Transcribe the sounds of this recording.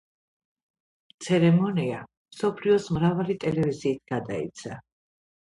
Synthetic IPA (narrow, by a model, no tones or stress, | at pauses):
t̪sʰɛɾɛmɔnia | msɔpʰliɔsmɾavalit̪ʼɛlɛviziːt̪̚ʰɡ̥ad̪aḭt̪sʰa